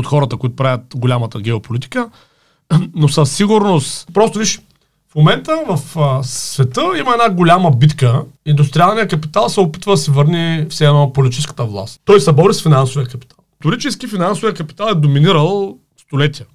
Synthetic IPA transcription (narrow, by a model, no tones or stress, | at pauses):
ot̪xɔɾət̪əkoit̪ʊpɾavʲət̪ɡolʲamət̪əɡʲɛopolit̪i̥kə | nosəsːiɡʊɾnost̪pɾɔst̪ʊviʃ | fmomɛnt̪əvɐfsvɛt̪əiməɛnaɡolʲaməbit̪kəind̪ʊst̪ɾialˠnijəkɐpit̪alˠsɛopi̥t̪vəd̪ɐsɛvɤɾnifsɛnopolit̪it͡ʃiskə̥t̪əvlˠa̰st̪t̪ɔjsɐbɔɾisfinansʊvijəkɐpi̥t̪ʰalˠt̪oɾit͡ʃɛsk̟ifinansʊvijəkɐpi̥t̪alˠɛd̪ominiɾəlˠ | st̪olɛt̪iə